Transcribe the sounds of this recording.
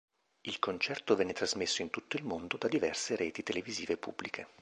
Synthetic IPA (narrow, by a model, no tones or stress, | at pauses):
ilkont͡ʃɛrt̪ovɛnːet̪ɾazmesːoint̪ut̪ːoilmond̪od̪ad̪ivɛrseɾʔɛːt̪it̪eleviziːvepṵbːlikʰe